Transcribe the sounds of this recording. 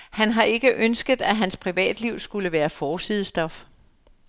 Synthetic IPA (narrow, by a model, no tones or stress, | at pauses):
hænɦɑ̈ʔe̝ɡ̥əʔønsɡ̥ð̞̩ˠæɦænspʰʁiʋɛ̰ːd̥liʊ̰sɡ̥uləʋæːɐfɒːsið̞̰ˠəsd̥ɒ̽f